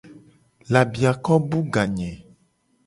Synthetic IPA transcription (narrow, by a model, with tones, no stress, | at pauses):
la˨bi˨a˨kɔ˦bu˦ɡa˨ɲɛ̃˨